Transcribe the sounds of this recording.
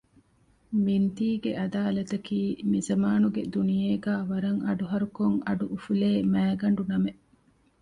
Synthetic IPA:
mint̪iːɡeʔɐd̪aːlɐt̪ɐkiːmizɐmaːnuɡed̪unijeːɡæːʋɐɾɐŋʔɐ̰ɖuɦɐɾukoŋɐɖuʔufuleːmæːɡɐɳɖunɐmeʔ

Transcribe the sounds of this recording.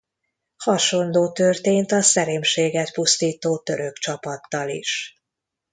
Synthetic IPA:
hɒʃo̞nloːt̪ørt̪eːnt̪ɒsɛɾeːmʃeːɡɛt̪pust̪iːt̪oːt̪ø̞ɾø̞kt͡ʃɒpɒt̪ːɒlḭʃ

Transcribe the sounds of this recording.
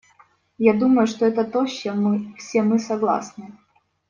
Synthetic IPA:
jad̪uməjʊʂt̪oɛt̪ət̪oɕːɛmːɨfsʲemɨsɐɡlˠa̰snɨ

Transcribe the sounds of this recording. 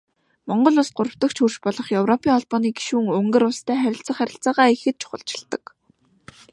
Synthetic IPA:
mɔɴɢɞ̆ɮʊɮt̪̚ɢʊɾə̆w̥t̪ə̆kt͡ɕʰxurʃpɔɮɞ̆χjɵwrɔpʰiːŋɔɮpɔːniːɡi̥ʃuːŋɵŋɡɘ̆ɾʊɮst̪ʰæːχæɾʲɪ̆ɬt͡sə̆χæɾʲɪ̆ɬt͡saːʁaːixɘ̆t̪̚t͡ɕʰʊ̥χə̰̆ɮt͡ɕɪ̥̆ɮt̪ə̆k

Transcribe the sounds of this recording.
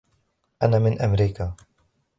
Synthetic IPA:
ʔanaːmɪnʔamɾiːkaː

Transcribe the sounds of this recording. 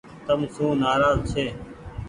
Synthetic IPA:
t̪əmsũːnaːɾaːzt͡ʃʰeː

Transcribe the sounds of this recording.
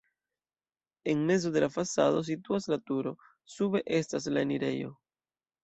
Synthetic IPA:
e̞ŋme̞zo̞delafasado̞s̬ituaslatuɾo̞ | sube̞ʔe̞staslaeniɾe̞jo̞̰

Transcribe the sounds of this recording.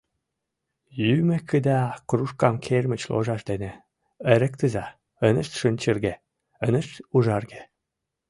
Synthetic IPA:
jymĕkʰəd̪ɑkruʃkɑmkʰermə̆t͡ɕlo̰ʒɑʃd̪enĕ | ə̆ɾə̆kt̪ə̆zɑ | ənə̆ʃt̪ʃənʲt͡ɕərɣe | ənə̆ʃt̪uʒɑrɣe̥

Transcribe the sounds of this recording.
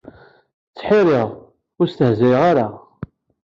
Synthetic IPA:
t͡sːħɪɾɪʁ | ʊɾst̪əhzæjʁaɾa

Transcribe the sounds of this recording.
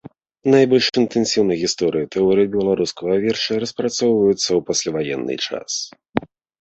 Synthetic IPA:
najbɔlʲʂint̪ɛnsʲiwnɐjɣʲist̪ɔɾɨjit̪ʰɛɔɾɨjibʲɛlˠaɾuskɐɣɐvʲɛrʂɐɾɐspɾat̪sɔwvɐjut̪sːɐwpasʲlʲavajɛ̰nːɨ̰t͡ʂa̰s

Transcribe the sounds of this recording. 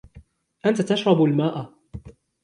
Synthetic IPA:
ʔant̪at̪aʃɾˤɑbalmaːʔa

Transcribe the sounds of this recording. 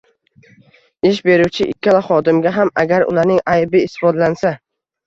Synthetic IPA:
ɪʃ̬be̞ɾuwt͡ʃʰɪʔɪ̰kʲʰːalaχɒd̪ɪmɡʲaɦamaɡʲaɾʊ̰laɾnɪŋajbɪɪst̪ɪ̥fɒd̪lansa

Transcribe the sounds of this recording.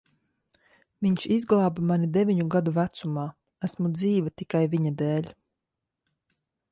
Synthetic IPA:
viɲʃizɡlˠaːbamanid̪evʲiɲuɡad̪uvæt̪sumaː | æsmud̪ziːvat̪ikajviɲad̪eːlʲ

